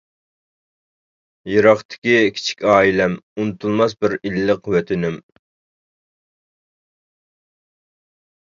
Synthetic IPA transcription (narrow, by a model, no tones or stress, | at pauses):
jeɾɑχt̪ʰɪ̥kʲikʲʰi̥t͡ʃʰi̥kʲɑːilɛmunɨt̪ʰulˠmɑsbɪɾilːəqwøt̪ʰɪnɪm